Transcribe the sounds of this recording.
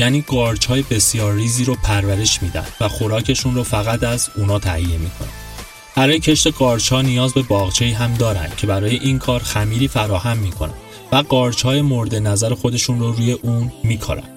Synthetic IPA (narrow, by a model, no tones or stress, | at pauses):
jæːniːɡɒːɾt͡ʃʰhɒːje̞be̞sjɒːɾːiːziːɾopʰæɾvæɾe̞ʃmiːd̪æ̰nd̪̥væxo̞ɾɒːcʰe̞ʃunɾofæɣæt̪ʰæzuːnɒːt̪ʰæhijːe̞miːkʰo̞̰næ̰n | b̥æɾɒːjecʰe̞ʃt̪e̞ɡɒːɾt͡ʃʰɒːnijɒːzbe̞bɒːɣt͡ʃʰe̞iːɦæmd̪ɒːɾæ̰nd̪̥̚cʰe̞bæɾɒːje̞ʔiːnkʰɒːɾxæmiːɾiːfæɾɒːhæmːiːkʰo̞̰næ̰nd̪ | væɡɒːɾt͡ʃʰhɒːje̞mo̞ɾd̪e̞næzæɾexo̞d̪e̞ʃunroɾuːje̞ʔuːnmiːkʰɒ̰ɾæ̰nd̪̥